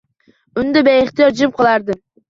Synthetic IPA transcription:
ʊnd̪abeeχt̪ijɒɾd͡ʒiɪp̚qʰɨlˠaɾd̪ɪ

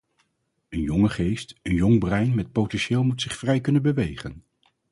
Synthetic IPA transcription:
ənjɔŋəχejstənjɔŋbrɛjnmɛt̚powtɛnʃɪːlˠmutsɪχfrɛjkɵnənbəʋejχə̰n

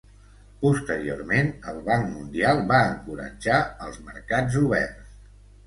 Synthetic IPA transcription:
pust̪əɾio̰rmenəlˠβaŋkmund̪ialˠβaəŋkuɾə̰d͡ʒaəlˠzmə̰ɾkad͡zuβɛ̰rs

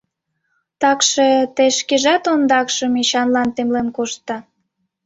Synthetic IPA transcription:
t̪ɑkʃet̪eʃkeʒɑt̪ond̪ɑkʃəmiɕɑnlɑnt̪emlenkoʃt̪ːɑ

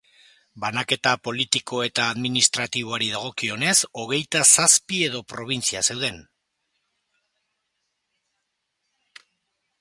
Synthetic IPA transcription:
banake̞t̪apo̞lit̪iko̞e̞t̪aːðminist̪ɾat̪iβ̞o̞aɾið̞aɣ̞o̞kio̞ne̞so̞ɣ̞e̞jt̪asaspie̞ðo̞pɾo̞β̞int͡siase̞wð̞e̞n

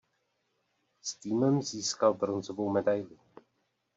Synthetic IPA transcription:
st̪iːmɛmziːskalbɾonzovowmɛdajlu

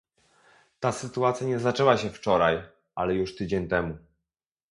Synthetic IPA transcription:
t̪asɘt̪uat̪sʲjaɲɛzat͡ʂɛwaɕɛft͡ʂɔɾaj | alɛjuʂt̪ɘd͡ʑeɲt̪ɛmu

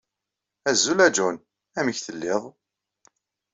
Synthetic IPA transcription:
æzːulæd͡ʒun | æməçθəlːɪðˤ

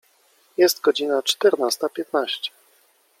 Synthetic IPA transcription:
jɛst̪ɡɔd͡ʑinat͡ʂt̪ɛɾnast̪apʲjɛt̪naɕt͡ɕɛ̥

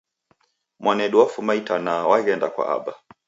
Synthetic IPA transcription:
mwanɛɗuwafumaitanawaɣɛndakwa̰ʔa̰ɓa

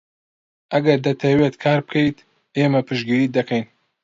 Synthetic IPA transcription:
ʔɐɡɐɾd̪ɐt̪ʰɐweːt̪kʰaːɾbɨkʰɐjt̪ | eːmɐpʰɨʃɡiɾiːd̪ɐkɐjn

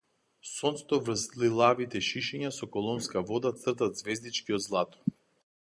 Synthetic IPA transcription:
sɔnst̪ɔvr̩slilˠavit̪ɛʃiʃɛɲasɔkɔlˠɔnskavɔd̪at̪sr̩t̪at̪zvɛzd̪it͡ʃkiɔd̪zlˠat̪ɔ̥

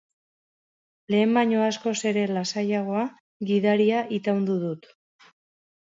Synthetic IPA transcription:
le̞ːmbaɲo̞asko̞se̞ɾe̞lasajaɣ̞o̞a | ɣiðaɾiaʔit̪awnd̪uð̞ut̪

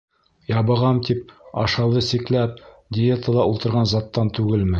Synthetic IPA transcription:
jɑβɤ̆ʁɑmt̪ip̚ɑ̰ʃɑlˠɤsiklæp̚ | dʲɪjet̪əlˠɑʔulˠt̪ɤ̆ɾʁɑnzɑt̪ːɑnt̪ʉɡɘlmɘ

